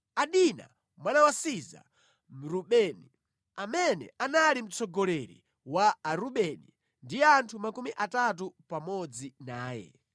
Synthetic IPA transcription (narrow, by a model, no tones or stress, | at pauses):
aɗina̰ | mwanawasiza̰ | m̩ɾuɓɛːni | amɛnɛ̰ʔanalim̩t͡sɔɡɔlɛɾḭ | waːɾuɓɛni | ndijɛantʰumakumiʔatatupamɔd͡zinaːjɛ̰